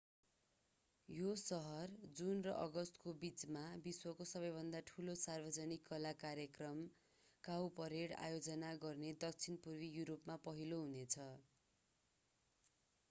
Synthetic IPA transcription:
josʌɦʌrd͡zunrʌʔʌɡʌst̪kobit͡smabiswʌkosʌbʌjbʱʌnd̪aʈʰulosarbʌd͡zʌnikːʌlakaɾjʌkrʌm | kawpʌɾeɽa̰jod͡zʌnaɡʌrned̪ʌk̚t͡sʰinpurwijuɾopmapʌɦiloɦunet͡sʰʌ

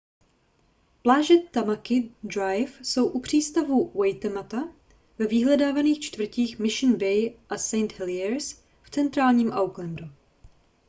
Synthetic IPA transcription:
plaːʒɛt̪amakɪd̪ɾajfso̞wʔupr̝̥iːst̪avuwɛjt̪ɛmat̪a | vɛvɪɦlɛdaːvaniːxt͡ʃt̪vr̩ciːxmɪʃɪnbɛjʔasɛjnt̪hɛlɪɛɾs | ft͡sɛnt̪ɾaːlɲiːmʔawklɛnd̪ɾu

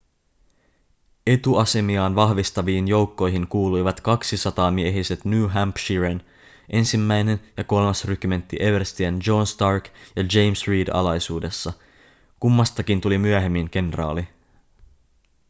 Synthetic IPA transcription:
e̞t̪uɑse̞miɑːnʋɑɦʋist̪ɑʋiːnjo̞wkːo̞jɦiŋkuːlujʋɑt̪kɑksisɑt̪ɑːmieɦise̞t̪nuːɦæmpʃiɹen | ʔe̞nsimːæjne̞njɑko̞lmɑsryk̟yme̞nt̪ːiʔe̞ʋerst̪iænd͡ʒo̞nst̪ɑrkjɑd͡ʒe̞jmsriːdɑ̰lɑjsuːde̞sːɑ | kumːɑst̪ɑkint̪ulimyæɦe̞mːiŋke̞nrɑ̰ːli

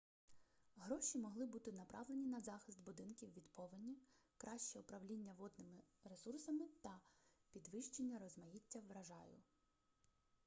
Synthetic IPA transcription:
ɦɾɔʃʲimɔɦlˠɪbut̪ɪnɐpɾʔɑʋlenʲinɐzɑxɪst̪bʊd̪ɪnkʲiwʋʲid̪pɔʋɪnʲːikɾʔɑʃt͡ʃɛʊpɾɐʋlʲinʲːɐʋɔd̪nɪmɪɾe̞sursɐmɪt̪ɐpʲid̪ʋɪʃt͡ʃenʲːɐɾɔzmɐjitʲːɐʋɾɐʒɑjʊ̰

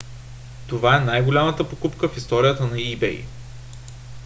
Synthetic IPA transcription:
t̪ovaɛnajɡolʲamət̪əpokupkəfist̪ɔɾijət̪ənɐibɛ̰j

